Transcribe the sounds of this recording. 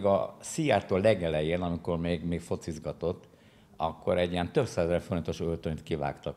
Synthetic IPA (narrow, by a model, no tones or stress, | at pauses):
ɡɒ̰sijaːt̪oːlːɛɡɛlɛjeːnɒmiko̞rmeːɡmeːkfo̞t̪sizɡɒt̪o̞t̪ː | ɒkːo̞ɾɛɟːijɛnt̪øbsaːzɛɛlfoɾint̪o̞ʃølt̪øɲt̪kiva̰ːkt̪ɒk